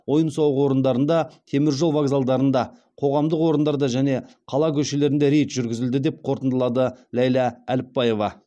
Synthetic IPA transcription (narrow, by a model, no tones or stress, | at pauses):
wo̞jənsɑwəqwo̞ɾənd̪ɑɾənd̪ɑt̪ʰe̞mɪɾʒo̞lˠvaɡzalˠd̪ɑɾənd̪ɑ | qʰo̞ʁɑmd̪əqwo̞ɾənd̪ɑɾd̪ɑʒæne̞ | qʰɑlˠɑkʲʰɵʃe̞le̞ɾɪnd̪eɾejt̪ʒ̥ʏɾɡʲɪzɪld̪ɪd̪e̞p̚qʰo̞ɾt̪ənd̪əlˠɑd̪əlæjlɑælɪpːɑje̞vɑ